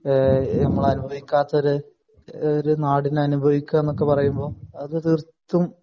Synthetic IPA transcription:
nɐmːɐɭɐnubʱɐʋikʲːaːt̪ːɐoɾɨ | oɾunaːɽinɐnubʱɐʋikʲːɐenːokːe̞pɐrɐjumbo̞ːɐðɨt̪irt̪ːum

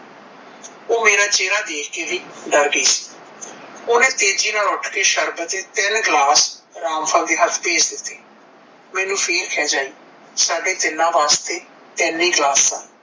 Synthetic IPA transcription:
oːmeːɾãːt͡ʃeːɾaːd̪eːkʰkeːʋiːɖəɾɡiːsi̥ː | oːnẽːt̪eːd͡ʒiːnãːʊʈʰkeːʃəɾbət̪eːt̪ɪnɡlaːsɾaːmfʰəːld̪eːɦət̪ʰpeːd͡ʒd̪ɪt̪ːeː | mɛ̃ːnũːpʰeːɾkʰɛːd͡ʒaːiː | saːɖeːd̪ɪlːãːʋaːst̪eː | t̪ɛːniːɡlaːsːãː

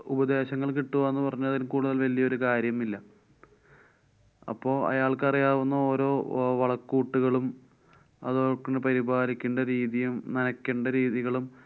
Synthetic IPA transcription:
ubɐd̪e̞ːɕɐŋːɐɭk̬iʈːuʋɐenːɨpɐrɐɲːuɐðilumkuːɽuðɐlʋɐlijɐoɾukaːɾjɐmilːɐ | ɐ̰pːo̞ːɐ̰jaːɭkɨɐrijaːʋunːɐo̞ːɾo̞ːʋɐɭɐkːuːʈːuɣɐɭum | ɐ̰ðoːkːuɳɖepɐɾibʱaːlikʲːeɳɖɐɾiːðijumnɐnɐkʲːeɳɖɐɾiːðiɣɐɭum

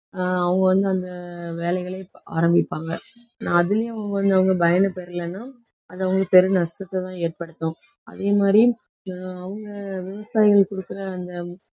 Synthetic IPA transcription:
ɐʋɐŋɡɐʋɐnd̪ɯɐnd̪ɐʋeːlɐɪɣɐɭɐa̰ːɾɐmbɪpːaːŋɡɐ | nãːɐðɪlɐjʊ̃ʋɐŋɡɐʋɐnd̪ɯɐʋɐŋɡɐbɐjɐnɐpɛɾɯlɐnːaː | ɐðɯɐʋɐŋɡɐpɛɾɯnɐʂʈɐt̪ːɛt̪ãːeːrpɐɽɯt̪ːʊ̃ | ʔɐ̰ðeːmaːd̪ɾi | ɐʋɐŋɡɐʋɪʋɐsaːjɪɣɐɭkɔɽɯkːɯɾɐːnd̪ɐ

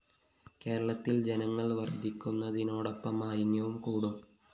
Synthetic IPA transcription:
ke̞ːɾɐɭɐt̪ːild͡ʑenɐŋːɐɭʋɐrd̪ʱikʲːunːɐðino̞ːɽɐpːɐmaːɾinjɐʋumkuːɽum

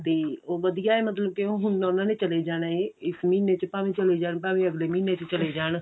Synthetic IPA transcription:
t̪eːoʋɐd̪ijaemɐt̪ləb̚keoɦʊnːonãnet͡ʃɐled͡ʒaːɽ̃aɦeɪsmiːnet͡ʃpaːmẽt͡ʃɐled͡ʒaːɽ̃pãːmeɐɡlemĩːnet͡ʃɪt͡ʃɐled͡ʒaːɽ̃

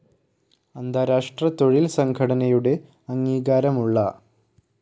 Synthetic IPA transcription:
ɐnd̪ʱaːɾaːʂʈrɐt̪o̞ɻilsɐŋɡʰʱɐɽɐnɐjuɽe̞ | ɐŋːiːɣaːɾɐmuɭːɐ

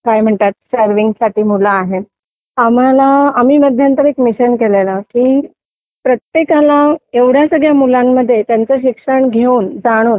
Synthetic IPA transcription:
kajm̤əɳt̪at̪̚səɾʋiŋɡsaʈiːmulaːɦe | am̤alaːmiːməd̪ʱjant̪əɾekmiɕənkelelakiː | pɾət̪jekalaeʋɽ̤jasəɡɭjamulamːəd̪ʱːjet̪jant͡səɕikʂəɳɡʱeuːnd͡zaɽ̃uːn

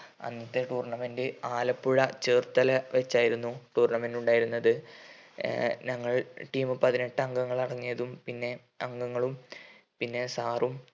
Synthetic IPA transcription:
ɐ̰nːɐt̪ːeʈuːrɳɐmendɨaːlɐpːuɻɐt͡ɕeːrt̪ɐlɐʋet͡ɕːaːjiɾunːuʈuːrɳɐmenduɳɖaːjiɾunːɐðɨ | ɲɐŋːɐɭʈiːmɨpɐðine̞ʈːɨɐŋɡɐŋːɐɭɐɽɐŋːijɐðumpinːe̞ | ɐŋɡɐŋːɐɭumpinːe̞saːrum

